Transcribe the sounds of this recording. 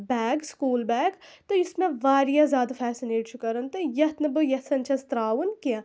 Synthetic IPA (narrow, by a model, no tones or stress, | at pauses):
bɛːɡskuːlbɛːɡt̪oɪsmẽʋaːɾijazjaːd̪afʰɛːsineːʈt͡ʃʰukɐɾɐnt̪ojɐt̪nɐbɨjɐsɐnt͡ʃʰɐst̪ɾaːʋunkiã